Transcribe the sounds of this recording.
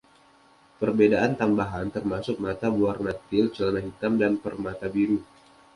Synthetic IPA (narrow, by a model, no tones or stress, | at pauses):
pərbedaʔant̪ambaɦant̪ərmasʊk̚mat̪abuarnat̪ɪlt͡ʃələnaɦit̪amdanpərmat̪abiɾu